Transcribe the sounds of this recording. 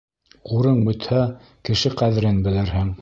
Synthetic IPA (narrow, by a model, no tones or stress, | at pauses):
uɾɤɴbɵ̆t̪hæ | kɘ̆ʃɘqæðɘ̆ɾɘnbɘ̆lɘɾhɘŋ